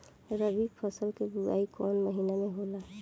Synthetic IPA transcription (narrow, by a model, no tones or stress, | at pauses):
ɾəbikpʰəsəlkeɡuɾa̰ːikɔːnməɦinamẽɦoːla